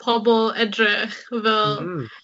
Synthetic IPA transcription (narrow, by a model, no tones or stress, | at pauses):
pʰɔbɔlˠɛdrɛχvɛlˠ